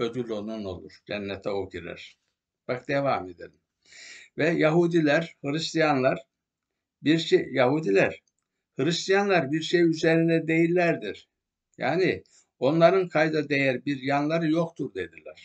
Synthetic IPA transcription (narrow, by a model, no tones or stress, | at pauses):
ød̪ylʲo̞nuno̞̰lˠṵɾ̥d͡ʒɛnːɛt̪ʰɛoɟiɾæ̰ɾ̥ | b̥akd̪̥evamed̪elʲim | vɛjaɦud̪ilʲæɾhɯlʲist̪ijanlˠaɾ̥ | biɾʃejaɦud̪ilʲæɾ̥ | hɯɾist̪ijanlˠaɾbiɾʃejyzeɾind̪ɛd̪e̞jilʲːæɾd̪iɾ | ja̰ːni | o̞nlˠaɾɯnkʰajd̪ad̪ejæɾbiɾjanlˠaɾɯjo̞kt̪ʰuɾd̪e̞d̪ilʲæ̰ɾ̥